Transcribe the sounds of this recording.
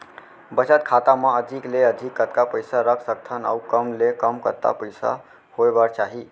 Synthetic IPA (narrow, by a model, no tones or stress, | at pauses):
bət͡ʃət̪̚kʰat̪amãəd͡ʒʱikleəd͡ʒ̪ʱikːət̪kapəjsaɾəkʰsək̚t̪ʰəna̰ukəmlekəmkət̪ːa̰pəjsa̰ | hoebaɾt͡ʃaɦi